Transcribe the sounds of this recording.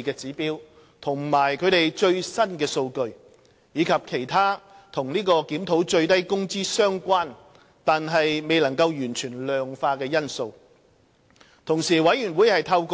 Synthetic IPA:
kɛː˧t͡siː˨˥piː˥w | t̪ʰʊ˨˩ŋmaː˨˩jkʰɵ˨˧ɥt̪e˨jt͡ʃɵ˧ɥsɐ˥nkɛː˧so˧wkɵ˧ɥ | jiː˨˧kʰɐ˨p̚kʰe˨˩jt̪ʰaː˥t̪ʰʊ˨˩ŋniː˥kɔː˧kiː˨˥mt̪ʰo˨˥wt͡ʃɵ˧ɥt̪ɐ˥jkʊ˥ŋt͡siː˥sœː˥ŋkʷaː˥n | t̪aː˨nɦɐ˨jme˨jlɐ˨˩ŋkɐ˧wjyː˨˩nt͡ʃʰyː˨˩nlœː˨ŋfaː˧kɛː˧jɐ˥nso˧w | t̪ʰʊ˨˩ŋsiː˨˩wɐ˨˥jyː˨˩nwuː˨˥jhɐ˨jt̪ʰɐ˧wkː

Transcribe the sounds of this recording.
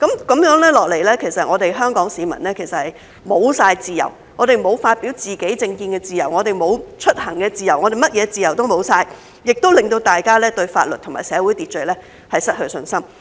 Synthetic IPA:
kɐ˨˥mkɐ˨˥mjœː˨˥ŋlɛː˥lɔː˨˩k̚le˨˩jlɛː˥kʰe˨˩jsɐ˨t̚ŋɔː˨˧d̪e˨jɦœː˥ŋkɔː˨˥ŋsiː˨˧mɐ̰˨˩nlɛː˥kʰe˨˩jsɐ˨t̚hɐ˨˩j | mo˨˧wsaː˧jt͡siː˨jɐ̰˨˩w | ŋɔː˨˧ɾe˨jmo˨˧wfaː˧t̚piː˨˥wt͡siː˨˩ke˨˥jt͡sɪ˧ŋkiː˧nkɛː˧t͡siː˨˩jɐ̰˨˩wŋɔː˨˧t̪e˨jmo˨˧wt͡ʃʰɵ˥t̚hɐ˨˩ŋkɛː˧t͡siː˨jɐ˨˩wʔɔː˨˧ɾe˨jmɐ˥t̚jɛː˨˧t͡siː˨jɐ˨˩wt̪o˥wmo˨˧wsaː˧j | jɪ˨k̚t̪o˥wlɪ˨ŋt̪o˧wt̪aː˨jkaː˥lɛː˥t̪ɵ˧ɥfa̰ː˧t̚lɵ˨t̪ʰʊ˨˩maː˨jsɛː˨˧wuː˨˥jt̪iː˨˩t̚t͡ʃɵ˨˩lɛː˥ | hɐ˨jsɐ˥t̚hɵ˧sɵ˧nsɐ˥m

